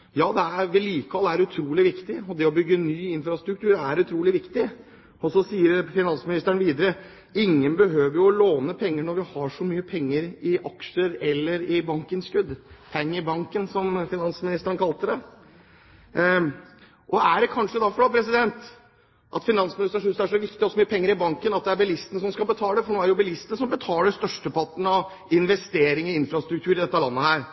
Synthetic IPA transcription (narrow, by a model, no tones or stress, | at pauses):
jɑːd̪ɛæɾʋɪliːkəɑlæɾʉt̪ʰɾuːlɪʋɪkt̪ɪɔd̪ɛɔbʏɡːənyːɪnfɾɑst̪ɾʉkt̪ʰʉːɾæɾʉt̪ʰɾuːlɪʋɪkt̪ɪ | ɔsɔsiːəɾfɪnɑnsmɪnɪst̪əɳʋiːd̪əɾə | ɪŋːənbəɦøːʋəɾjʊɔloːnəpʰɛŋːəɳɔɾʋɪhɑʂɔmyːəpʰɛŋːəɾɪʔɑkʂəɾɛlːəɾɪbɑŋkənskʉd̪pʰɛŋːəɾɪbɑŋkənsɔmfɪnɑnsmɪnɪst̪əɾənkʰɑlt̪əd̪ɛ | ʔɔæɖɛkʰɑnʂəd̪ɑfɔɖɑpʰɾɛs̬ɪd̪ɛnt̪ | ʔɑt̪fɪnɑnsmɪnɪst̪əʂʉst̪æʂɔʋɪkt̪ɪɔsːɔmyːəpʰɛŋːəɾɪbɑŋkənɑt̪̚d̪ɛæɾbɪlɪst̪ənəs̬ɔmskɑlbət̪ʰɑːləd̪ɛfɔɳoːæɾjʊbɪlɪst̪ənəsɔmbət̪ʰɑːləst̪œʂʈəpʰɑʈɳ̩ɑʋ | ɪnʋɛst̪eːɾɪŋɪɪnfɾɑst̪ɾʉk̚t̪ʰʉːɾɪd̪ɛt̪ːəlɑnːəhæːɾ